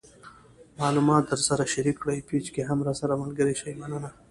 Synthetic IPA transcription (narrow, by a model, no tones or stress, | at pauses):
mɑːlumɑt̪̚d̪əɾsaɾaʃaɾikːɽajpit͡ʃkeɦamɾasaɾamalɡəɾeʃajmanəna